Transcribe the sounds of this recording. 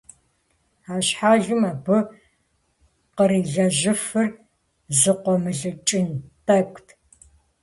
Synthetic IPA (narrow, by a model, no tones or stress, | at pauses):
aːɕħaːʒɨmaːbɨ | qəɾiːɮɐʒɪfɨr | zɨqʷɔmɨɮɨt͡ʃʼɪntʰʼɐkʷʼtʰ